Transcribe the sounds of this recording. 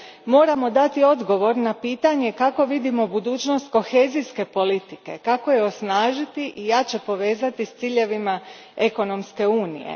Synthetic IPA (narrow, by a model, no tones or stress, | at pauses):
mo̞ːɾamo̞d̪at̪io̞d̪ɡo̞ʋo̞ɾnapiːt̪aɲe̞kako̞ʋid̪imo̞bud̪uːt͡ɕno̞st̪ko̞xe̞ːziske̞po̞lit̪ike̞̰kako̞jeo̞snaːʒit̪iʔijat͡ɕe̞po̞ʋe̞ːzat̪ist̪siːʎe̞ʋima | eko̞no̞mske̞uːnḭjḛ